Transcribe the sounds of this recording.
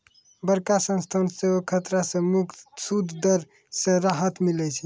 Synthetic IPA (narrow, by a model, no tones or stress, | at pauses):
bəɾkasə̃nst̪ʰanseəkʰət̪ɾasẽmuk̪sud̪ʱd̪əɾ | sẽɾaɦət̪milɛt͡ʃʰi